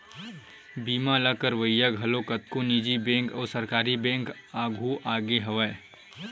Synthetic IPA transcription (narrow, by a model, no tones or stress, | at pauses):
biːmalakəɾʋəjaɡʱɐlokət̪̚konid͡ʒibẽːŋkɔːɾsəɾkaːɾibɛ̃ːŋk | aːɡʱuʔaːɡeɦɐʋəe